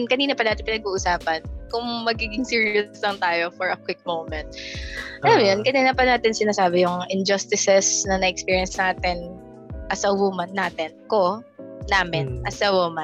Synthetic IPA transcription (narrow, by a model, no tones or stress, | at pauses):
nkɐniːnɐpɐnaːt̪ɪnpɪnɐɡuːʔʊsaːpɐnkʊŋmɐɡiːɡɪŋsiːɹjʊslɐŋt̪aːjofɔɹɐkwɪk̚mowmɛnt̪̚ʔɐlamjonkɐniːnɐpɐnaːt̪ɪnsɪnaːsaːbɛjʊŋʔɪnd͡ʒɐst̪ɪsɛsnɐnɐʔɛkspiːɹjɛnsnaːt̪ɪn | ʔɐsɐwumɐnːaːt̪ɛnkonaːmɪnʔɐsɐwomɐn